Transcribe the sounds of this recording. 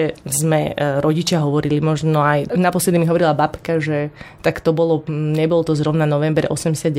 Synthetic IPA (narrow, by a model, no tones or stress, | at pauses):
ɛzmɛɾɔɟit͡ʃɪaɦɔʋɔɾilimɔʒnɔajnapɔslɛd̪imiɦɔʋɔɾilabapkaʒɛt̪akt̪ɔbɔlɔɲɛbɔlɔt̪ɔzɾɔʊnanɔʋɛmbɾɛ̰ʔɔsɛmɟɛsad̪